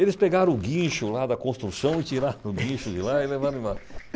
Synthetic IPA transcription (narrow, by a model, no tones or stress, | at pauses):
elɪspeɡaɾɐ̃ʊɡĩʃʊlad̪ɐkõst̪ɾusɐ̃w̃ɪt͡ʃiɾaɾ̃ʊɡĩʃʊd͡ʒɪlaɪlevaɾɐ̃ma